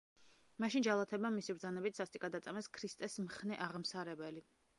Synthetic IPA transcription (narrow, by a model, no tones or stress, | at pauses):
maʃind͡ʒalˠat̪ʰɛbamisibɾd̪zanɛbit̪ʰsast̪ʼikʼad̪at̪sʼamɛskʰɾist̪ʼɛsmχnɛʔaʁmsaɾɛbɛli